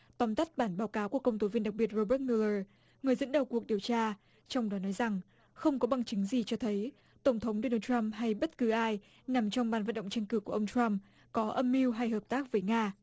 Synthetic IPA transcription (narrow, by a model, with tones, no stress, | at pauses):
t̪ɔ˨˦nt̪a˦˥t̚ɓaː˧˩nɓaː˨˦wkaː˨˦wku˧˩əkːə˧wŋ͡mt̪o˨˦vi˧ənɗa˨˩ɓi˨˩ət̚zo˧ɓəː˦˥t̚mi˧lə˧ | ŋɨ˨˩əjzə̰˧˥nɗə˨˩wku˨˩ək̚ɗi˨˩əwt͡ɕaː˧ | t͡ɕɔ˧wŋ͡mɗɔ˨˦nɔ˨˦jza˨˩ŋ | xə˧wŋ͡mkɔ˨˦ɓa˨˧˩ŋt͡ɕɨ˨˦ŋzi˨˩t͡ɕɔ˧t̪ʰə˨˦j | t̪ə˧˩wŋ͡mt̪ʰə˨˦wŋ͡mɗo˧nəː˧wta˧mɦa˧jɓə˦˥t̚kɨ˨˦ʔaː˧j | na˨˩mt͡ɕɔ˧wŋ͡mɓaː˨˩nvə̰˧˨nɗə̰˧˨ŋ͡mt͡ɕɛ˧ŋkɨ˧˩ku˧˩əʔə˧wŋ͡mt͡ɕɾa˧m | kɔ˨˦ʔə˧mːi˧wɦa˧jɦəː˨˩p̚t̪aː˦˥k̚vəː˨˦jŋaː˧